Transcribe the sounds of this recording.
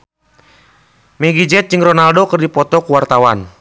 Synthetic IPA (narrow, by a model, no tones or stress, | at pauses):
mɛɡid͡ʒɛt̪̚d͡ʒɨŋrɔnaldokɨrdipɔt̪ɔkuwart̪awan